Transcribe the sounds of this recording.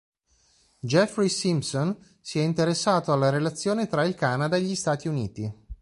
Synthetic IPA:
d͡ʒɛfɾisimpson | siɛint̪eɾesːaːt̪oalːaɾelat̪sːjoːnet̪ɾailkanad̪aeʎːist̪aːt̪iuniːt̪i

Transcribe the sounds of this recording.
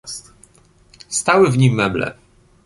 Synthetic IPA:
st̪awɘvɲimːɛblɛ̰

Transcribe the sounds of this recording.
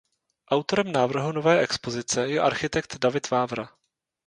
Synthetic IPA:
ʔawt̪o̞ɾɛmnaːvr̩ɦuno̞vɛːʔɛkspo̞zɪt͡sɛjɛʔa̰ɾxɪt̪ɛkt̪davɪt̪vaːvɾa

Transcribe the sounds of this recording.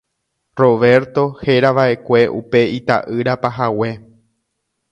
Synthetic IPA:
ro̞ʋe̞ɾt̪o̞he̞ɾaʋaʔe̞kʷe̞ʔṵpe̞it̪a̰ʔɨɾapaɦawe̞

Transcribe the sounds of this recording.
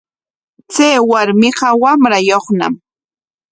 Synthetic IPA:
t͡sejwaɾmɪqɑwamɾajoχna̰m

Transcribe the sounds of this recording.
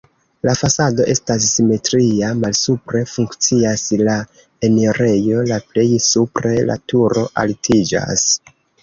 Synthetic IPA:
lafasado̞ʔe̞stas̬ːime̞tɾiamalsupɾe̞fuŋkt͡siasla | e̞neɾe̞jo̞laple̞jsupɾe̞la̰tuɾo̞ʔa̰ltʰid͡ʒa̰s

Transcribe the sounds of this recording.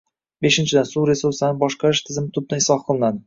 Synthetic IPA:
be̞ʃɪnt͡ʃʰɪd̪ansuwɾe̞suɾsanɪbɒʃqɑɾɪʃt̪ʰɪzɪmɪt̪ʰʊb̚naɪsɒhqʰɨlˠɪnad̪ɪ

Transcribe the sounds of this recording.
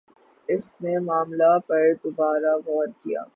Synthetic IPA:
ɪsnemaːmlapɐɾd̪obaːɾaɣɔːɾkija̰ː

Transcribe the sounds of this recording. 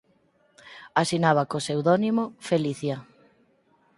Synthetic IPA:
asinaβ̞akosewðɔnimofeliθja

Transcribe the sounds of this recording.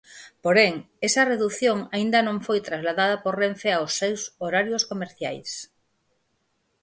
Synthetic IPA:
poɾeŋ | esɐreðuθjoŋaind̪ɐnõŋfojt̪ɾazlaðaðɐporeɱfeaosːewsoɾaɾjoskomeɾθja̰js

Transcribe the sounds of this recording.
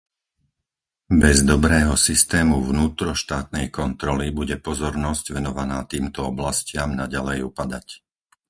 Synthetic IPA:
bɛzd̪ɔbɾɛːɦɔsist̪ɛːmuvnuːt̪ɾɔʃt̪aːt̪nɛjkɔnt̪ɾɔlibuɟɛpɔzɔɾnɔzɟʋɛnɔʋanaːt̪iːmt̪ɔɔblascɪamnaɟalɛjupad̪ac

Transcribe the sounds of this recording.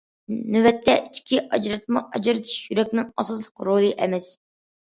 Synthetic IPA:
nywɛt̪ʰːɛʔit͡ʃkʲʰiʔɑd͡ʒɾɨt̪̚mɑʔɑd͡ʒɨɾɨt̪ʰɨ̥ʃjyɾɛkʲnɪŋɑsɑslˠə̥qɾolˠɨʔɛmɛs

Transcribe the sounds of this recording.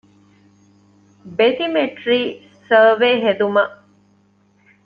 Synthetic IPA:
bet̪imeʈɾiː | səːʋeːɦed̪umɐʔ

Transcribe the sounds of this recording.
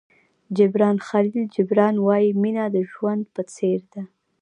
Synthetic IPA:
d͡ʒɪbɾɑnxalild͡ʒɪbɾɑnwɑjiminad̪əʒwand̪̚pət͡seɾd̪a

